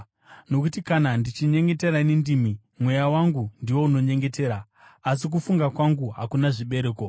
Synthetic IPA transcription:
no̞kutikanandit͡ʃiɲe̞ŋɡe̞te̞ɾanendimi | mwe̞jawaŋɡundiwo̞uno̞ɲe̞ŋɡe̞te̞ːɾa | as̬ik̬ufuŋɡakwaŋɡuɦa̰kunaʐiɓe̞ɾe̞ːko̞

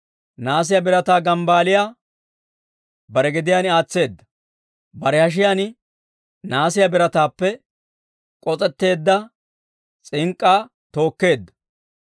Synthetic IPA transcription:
naːs̬ɪjabɪɾɐt̪aːɡɐmbaːlɪjaː | bɐɾɛɡɛd̪ɪjaːnɪaːt͡sːe̞ːd̪ːɐ | bɐɾɛhɐʃ̬ɪjaːnɪ | naːsɪjɐbɪɾɐt̪aːpːɛ | kʼɔt͡sʼɛt̪ːe̞ːd̪ːɐ | t͡sʼɪŋkʼːaː | t̪o̞ːkːe̞ːd̪ːɐ̥

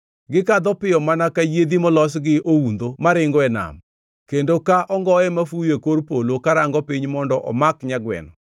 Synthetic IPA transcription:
ɡɪkad̪ɔpɪjɔmanakajed̪imɔlɔs̬ɡɪʔound̪omaɾɪŋɡɔɛna̰m | kendokaʔɔŋɡɔɛmafujekoɾpolokaɾaŋɡɔpiɲmɔndɔʔɔmakɲaɡwɛ̰nɔ

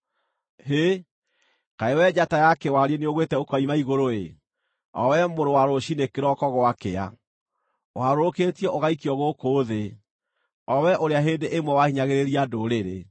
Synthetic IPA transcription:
ɦe | kaewɛd͡ʑatajakɛwaɾieneoɣwetɛokɔimaiɣoɾoe | ɔ̰wɛmoɾowaɾoʃinekeɾɔkɔɣwakea̰ | waɾoɾoketiɛʔoɣaikiɔɣokoːðe | ɔwɛʔoɾeaɦeːndeʔemwɛwahiɲaɣeɾeɾiadoɾeɾḛ

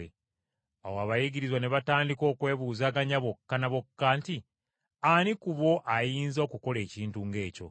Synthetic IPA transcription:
e | awoaβajiɟiɾizwane̞βataːndiko̞ːkwe̞ːβuːzaːɡaɲaβo̞kːanaβo̞kːaːnti | anikuβo̞ʔajiːnzokuko̞le̞ːciːntuŋɡe̞ːco̞̰

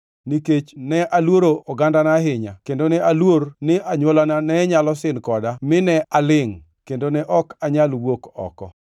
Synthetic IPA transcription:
niket͡ʃnɛʔalwoɾoɔɡandanaɦɪɲa̰kendonɛalwoɾnɪaɲwolananɛɲalɔsɪnkɔdamɪnɛʔalɪŋ | kendonɛʔɔkaɲalwokɔ̰kɔ̰

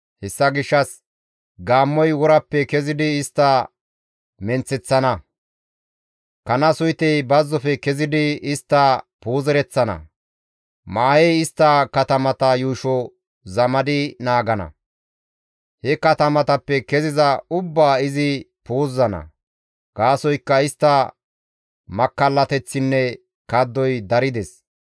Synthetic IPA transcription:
hɛsːɐɡɪʃːɐs | ɡaːmːɔjwɔɾɐpːɛkɛzɪd̪ɪɪst̪ːɐ | mɛnt͡sːɛt͡sːɐnɐ | kɐnɐsʊjt̪ɛjbɐzːɔfɛkɛzɪd̪ɪɪst̪ːɐpuːzɛɾɛt͡sːɐnɐ̰ | maːjɛjɪst̪ːɐkɐt̪ɐmɐt̪ɐjuːʃɔ | zɐmɐd̪ɪnaːɡɐnɐ̰ | hɛkɐt̪ɐmɐt̪ɐpːɛkɛzɪzɐʊbːaːɪzɪ | poːzːɐnɐ̰ | ɡ̥aːsɔjkːɐɪst̪ːɐ | mɐkːɐlːɐt̪ɛt͡sːɪnːɛ | kɐd̪ːɔjd̪ɐɾɪd̪ɛs

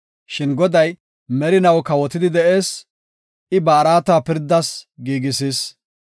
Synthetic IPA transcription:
ʃɪnɡɔd̪ɐj | mɛɾɪnɐwkɐwɔt̪ːɪd̪ɪd̪ɛʔe̞ːs | ɪbɐːɾaːt̪aːpɪɾd̪ːɐsɡiːɡɪsiːs

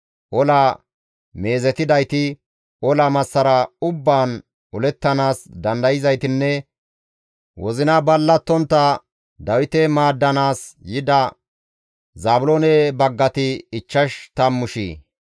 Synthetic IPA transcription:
ʔɔla | me̞ːzɛt̪ɪd̪ɐjt̪ɪ | ɔlɐmɐsːɐɾɐʊbːaːn | ɔlɛt̪ːɐnaːsd̪ɐnd̪ɐjɪzɐjt̪ɪnːɛ | wɔzɪnɐbɐlːɐt̪ːɔnt̪ːɐ | d̪ɐwɪt̪ɛmaːd̪ːɐnaːsjɪd̪ɐ | zaːbʊloːnɛbɐɡːɐt̪ɪːt͡ʃːɐʃt̪ɐmːʊʃḭː

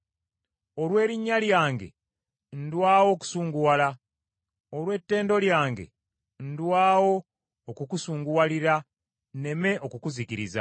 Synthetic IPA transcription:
o̞lwe̞ːɾiɲːaljaːŋɡe̞̰ | n̩dwaːwo̞ːku̥suːŋɡuwala | olwe̞tːe̞ːndo̞ljaːŋɡe̞̰ | n̩dwaːwo̞ː | kukusuːŋɡuwaliɾa | nne̞me̞ʔo̞kukuzikiɾiza̰

